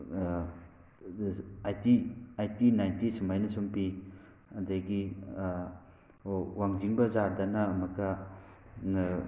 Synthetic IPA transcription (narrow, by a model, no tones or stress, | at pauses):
ajtiajtinajntisumajnɐsumpi | ɐdaɡi | waŋziŋbɐzaɾdanamɐka